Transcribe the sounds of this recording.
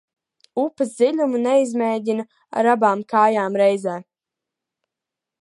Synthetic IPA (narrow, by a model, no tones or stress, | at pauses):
upɐzd̪ʲilʲumunɛizmɛːdʲinɐ | a̰ɾabaːmkaːjaːmɾɛjzɛː